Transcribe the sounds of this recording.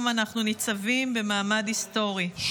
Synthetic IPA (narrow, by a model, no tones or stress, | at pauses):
manaχnunit͡savimbemaːmadhisto̞ʁi